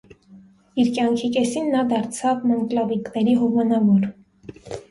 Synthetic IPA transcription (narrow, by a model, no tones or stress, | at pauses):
iɾkjɑŋkʰikɛsinːɑd̪ɑɾt͡sʰɑvməŋklɑviknɛɾiɦɔvɑnɑvɔɾ